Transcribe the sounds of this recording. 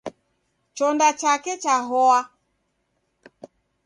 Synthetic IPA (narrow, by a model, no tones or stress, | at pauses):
t͡ʃɔndat͡ʃakɛt͡ʃaɦɔa